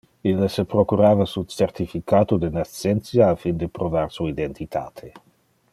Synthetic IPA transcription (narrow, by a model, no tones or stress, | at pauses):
ilːasepɾokuɾaːvasut͡sert̪ifikaːt̪od̪enat͡sːent̪sjaːfind̪epɾovaɾsuaid̪ent̪it̪ʰa̰ːt̪ʰe